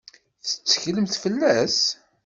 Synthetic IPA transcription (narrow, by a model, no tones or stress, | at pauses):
θə̥t͡sːə̥çləmθfəlːæs